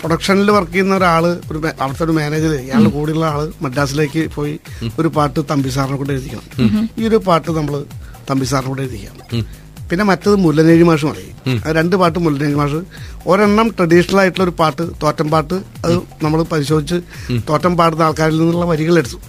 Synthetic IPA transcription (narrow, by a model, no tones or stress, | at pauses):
proɽɐkʂɐnilpɐrkːijunːɐoɾaːɭɨoɾumɐ̰ʋɐɽɐt̪ːeoɾume̞ːneːd͡ʑilaːlɨkuːɽiuɭːɐaːɭɨmɐdːaːs̬ile̞ːkːɨpo̞ːjio̞ɾupaːʈːɨt̪ɐmbis̬aːɾɐɳɐmkːoɳɖeɾud̪ːikʲːɐ̰ɳɐ̰miːo̞ɾupaːrʈːɨnɐmːɐɭɨt̪ɐmbis̬aːɾɐɳɐkoɳɖeɾuðːikʲːa̰ːm | pinːe̞mɐtːɐðɨmulːɐne̞ːɻimaːʂ̬umɐ̰ɻɐ̰jṵɐ̰ɨɾe̞ɳɖɨpaːʈ̬ːɨmulːɐne̞ːɻimaːʂ̬ɨo̞ɾeɳːɐmʈrɐɽiʂɐnɐlaːjiʈːuɭːo̞ɾupaːrʈːɨt̪oːtːɐmpaːrʈːɨɐðɨnɐmːɐɭpɐɾiɕo̞ːd̪ʱit͡ɕːɨt̪o̞ːtːɐmpaːrʈ̬ːɨnaːɭkaːɾilninːuɭːɐʋɐɾiɣɐɭeɽut̪ːu̥